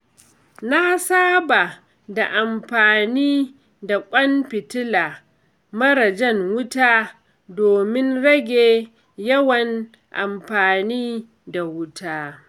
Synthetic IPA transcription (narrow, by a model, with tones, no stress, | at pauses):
na˦saː˦ba˨ | da˨ʔa˨mɸaː˨niː˦ | da˨kʷʼɐ˦mpɪ˨tɪ˦laː˨ | mɐ˦ɽɐ˨d͡ʒɛ˦˨ŋwʊ˦taː˦ | doː˨mɪ˦nɽɐ˦ɡʲeː˨ | jɐ˦wɐ˨n | ʔa̰˨mɸaː˨niː˦ | da˨wʊ˦tʰaː˦